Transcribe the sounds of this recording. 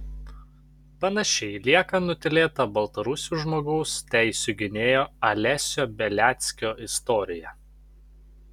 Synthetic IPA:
pɐnɐʃʲɛɪlʲiɛkɐnʊt̪ʲɪlʲeːt̪ɐbɐlˠt̪ɐɾʊsʲuːʒmoːɡɐʊst̪ʲæɪsʲʊɡʲɪnʲeːjoːɐlʲɛsʲoːbʲɛlʲæːt̪sʲkʲoːʔɪst̪ɔːɾʲɪjɛ

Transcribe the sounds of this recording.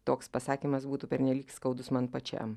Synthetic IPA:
t̪oːkspɐsɑːkʲiːmɐsbuːt̪upʲɛɾʲnʲɛlʲiːkskɐʊd̪ʊsmɐnpɐt͡ʃʲɛ̰m

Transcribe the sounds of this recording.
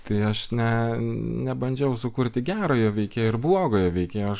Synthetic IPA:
t̪ɐɪɐʃnʲɛnʲɛbɐnʲd͡ʒʲɛʊsʊkʊɾʲt̪ʲɪɡʲæːɾoːjoːʋʲɛɪkʲeːjoɪɾblˠoːɡoːjoːʋʲɛɪkʲeːjoɐʃ

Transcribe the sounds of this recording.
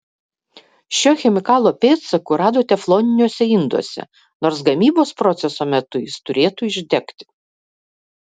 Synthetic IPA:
ʃʲoːxʲɛmʲɪkɑːlˠoːpʲeːt̪sɐkʊɾɑːd̪oːt̪ʲɛflˠoːnʲɪnʲuɔsʲɛɪnd̪ṵɔsʲɛ̰ | noːɾs̬ɡɐmʲiːboːspɾɔt̪sʲɛsoːmʲɛt̪ʊjɪst̪ʊɾʲeːt̪uːɪʒʲd̪ʲɛkt̪ʲɪ̥

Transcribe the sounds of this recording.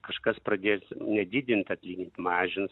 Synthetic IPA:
kɐʃkɐspɾɐd̪ʲeːsnʲɛd̪ʲɪd̪ʲɪnʲt̪ʲɐt̪ʲlʲiːnʲɪnʲt̪ʲmɑːʒʲɪns

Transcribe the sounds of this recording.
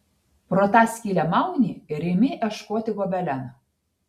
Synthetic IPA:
pɾoːt̪ɑːsʲkʲiːlʲɛmɑˑʊnʲiːɪɾʲɪmʲɪʔɛʃkoːt̪ʲɪɡobʲɛlʲɛn

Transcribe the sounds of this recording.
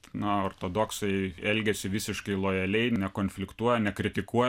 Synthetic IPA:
nɐoːrt̪oːd̪oːksɐɪɛlʲɡʲɛsʲɪʋʲɪsʲɪʃkɐɪlˠoːjɛlʲɛɪnʲɛkoːnʲfʲlʲɪkt̪uɔjɛnʲɛkɾʲɪt̪ʲɪkuɔj

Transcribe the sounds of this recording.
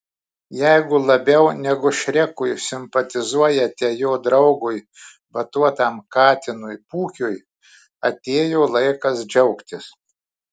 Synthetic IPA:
jɛɪɡʊlˠɐbʲɛʊnʲɛɡʊʃʲɾʲɛkʊjsʲɪmpɐt̪ʲɪzuɔjɛt̪ʲɛjoːd̪ɾɐʊɡʊj | bɐt̪uɔt̪ɑmkɑːt̪ʲɪnʊjpuːkʲʊj | ɐt̪ʲeːjoːlˠɐɪkɐsd͡ʒʲɛʊkt̪ʲɪs

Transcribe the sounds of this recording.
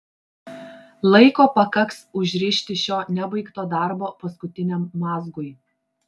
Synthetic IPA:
lˠɐɪkoːpɐkɐksʊʒʲɾʲɪʃʲt̪ʲɪʃʲoːnʲɛbɐɪkt̪oːd̪ɑˑɾboːpɐskʊt̪ʲɪnʲɛmːɑːzɡʊɪ

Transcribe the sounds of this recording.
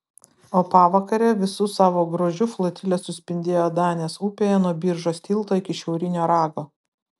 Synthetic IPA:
oːpɑːʋɐkɐɾʲeːʋʲɪsʊsɑːʋoːɡɾoːʒʲʊflˠɔt̪ʲɪlʲɛsʊsʲpʲɪnʲd̪ʲeːjoːd̪ɑːnʲeːsuːpʲeːjɛnuɔbʲiːɾʒoːsʲt̪ʲiːlˠt̪oːɪkʲɪʃʲɛʊɾʲɪnʲoːɾɑːɡoː

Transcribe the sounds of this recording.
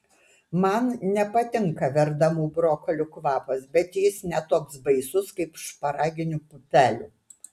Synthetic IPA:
mɐnnʲɛpɐt̪ʲɪŋkɐʋʲɛɾd̪ɐmuːbɾoːkɔlʲʊkʋɑːpɐsbʲɛt̪jɪsnʲɛt̪oːksbɐɪsʊskɐɪpʃpɐɾɑːɡʲɪnʲʊpʊt̪ʲæːlʲuː

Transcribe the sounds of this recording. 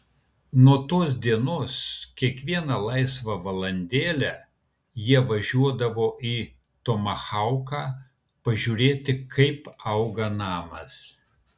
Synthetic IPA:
nuɔt̪oːs̬d̪ʲiɛnoːskʲiɛkʋʲiɛnɐlˠɐɪsʋɐʋɐlˠɐnʲd̪ʲeːlʲæː | jiɛʋɐʒʲuɔd̪ɐʋoːiː | t̪omɐxɐʊkɑː | pɐʒʲuːɾʲeːt̪ʲɪkɐɪpɐʊɡɐnɑːmɐs

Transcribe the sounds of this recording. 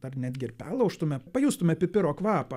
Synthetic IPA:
d̥̪ɐrnʲæːd̪ʲɡʲɪɪɾpʲæːlˠɐʊʃt̪ʊmʲɛpɐjuːst̪ʊmʲɛpʲɪpʲɪɾoːkʋɑːpɐ

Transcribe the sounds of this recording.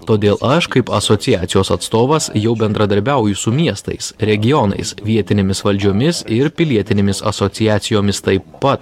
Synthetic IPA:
t̪oːd̪ʲeːlˠʔɐʃkɐɪpɐsoːt̪sʲɪjæːt̪ʲɪjoːsɐt̪st̪oːʋɐsjɛʊbʲɛnd̪ɾɐd̪ɐɾʲbʲɛˑʊjʊsʊmʲiɛst̪ɐ̰ɪsɾʲɛɡʲɪjɔnɐ̰ɪsʋʲiɛt̪ʲɪnʲemʲɪsʋɐlʲd͡ʒʲoːmʲɪsɪɾpʲɪlʲiɛt̪ʲɪnʲeːmʲɪsɐ̰soːt̪sʲɪjæːt̪sʲɪjoːmʲɪst̪ɐɪpːɐt̪

